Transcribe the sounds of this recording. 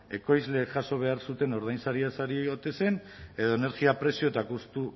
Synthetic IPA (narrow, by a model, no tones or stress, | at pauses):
e̞ko̞jzle̞ːkʝaso̞β̞e̞aɾsut̪e̞no̞ɾðajnsaɾiasaɾieɣot̪e̞se̞ne̞ðo̞ene̞ɾɣiapɾe̞sio̞t̪akust̪u